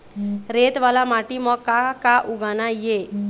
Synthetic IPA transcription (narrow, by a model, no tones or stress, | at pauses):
ɾet̪ʋalamaʈimɔkakaʔuɡanaje